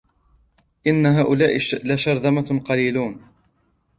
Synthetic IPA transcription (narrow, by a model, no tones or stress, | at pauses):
ʔɪnːaɦaːʔʊlaːʔɪlaʃɑɾˤd̪ˤɑmaqɑliːluːn